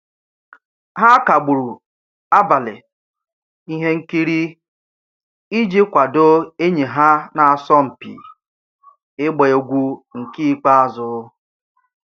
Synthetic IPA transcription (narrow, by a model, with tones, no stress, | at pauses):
ɦa˦ka˨ɡ͡bu˨ɾu˨ | a˦ba˨lɪ̰˨ | i˦ɦe˦ŋ̩˦ki˦ɾi˦ | i˦d͡ʒi˦kʷa˨do˦e˦ɲe˨ɦa˦na˨a˨sɔ˦m̩˨pḭ˨ | ɪ˦ɡ͡be˨o˨ɡʷu˦ŋ̩˨ki˦k͡pa˦a˨zʊ˨˦